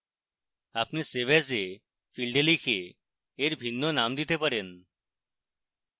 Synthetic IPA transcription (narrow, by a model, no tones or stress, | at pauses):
apneseʋed͡ze | filɖelikʰeː | ɾbʱinːɔnamd̪it̪ʰepəɽen